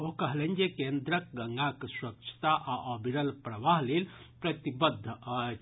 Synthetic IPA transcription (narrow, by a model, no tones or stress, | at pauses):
okɐɦlenʲd͡ʒekend̪ɾək̚ɡɐŋɡakswɐkt͡ʃʰt̪aʔaʔobʱiɾəlpɾɐʋaɦlel | pɾɐt̪ibəd̪ʱː